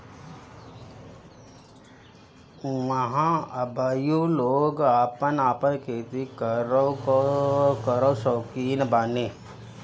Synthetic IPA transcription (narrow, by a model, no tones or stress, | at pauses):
məɦãəbajõloːɡaːpənaːpənkʰeːt̪ikəɾo | kəɾosoːkiːnbaːneː